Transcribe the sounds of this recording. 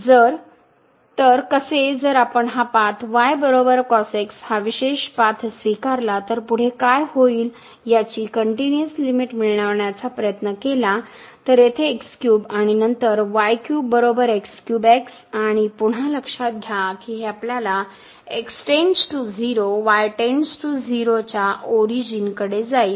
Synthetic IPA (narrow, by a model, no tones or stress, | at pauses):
d͡zəɾ | t̪əɾkəsed͡zəɾapəɳɦapat̪ʰʋajbəɾobəɾkɔsekshaʋiɕeɕpat̪ʰsʋikaɾlat̪əɾpuɽ̤ekajhoiːl | jat͡ɕiːkəɳʈinuəslimiʈmiɭɳ̃aʋɳjat͡sapɾəjət̪nəkela | t̪əɾjet̪ʰeːkskjuːbaɽ̃inənt̪əɾʋajkjuːbːəɾobəɾekskjubɛks | aɽ̃ipuɽ̤aləkʂat̪̚ɡʱjakiːɦeapljala | ekst͡ɕeɲd͡ʑʈud͡ziɾoʋajʈeɳsʈud͡ziɾot͡ɕaʔoɾid͡ʑinkəɽed͡zai